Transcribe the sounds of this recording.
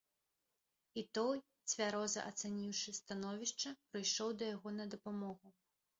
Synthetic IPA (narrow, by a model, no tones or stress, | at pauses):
it̪ɔj | t͡sʲvʲaɾɔzɐ̰ʔɐt̪sanʲiwʂɨst̪anɔvʲiʂt͡ʂɐpɾɨjʂɔwd̪ɐjaɣɔnɐd̪ɐpamɔɣu